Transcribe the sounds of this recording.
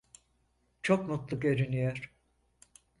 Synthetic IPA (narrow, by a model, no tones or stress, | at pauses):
t͡ʃʰokmut̪lˠɯkeɾinijæɾ̥